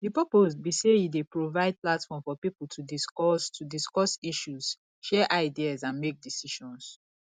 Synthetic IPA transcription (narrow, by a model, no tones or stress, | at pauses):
dipɔposbisejidepɹovaɪd̚platfɔ̃mfɔpipul̩ˠtʰudiskɔstʰudiskɔsiʃuz̥ | ʃɛʔaɪdiazãnmek̚disiʃɔ̃ns